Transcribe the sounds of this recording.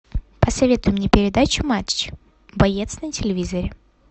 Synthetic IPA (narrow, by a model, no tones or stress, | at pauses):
pəsɐvʲe̞t̪ʊjʊmnʲepʲɪɾʲɪd̪at͡ɕʊmat͡ʃɪ | bɐjet̪snətʲɪlʲɪvʲizəɾʲɪ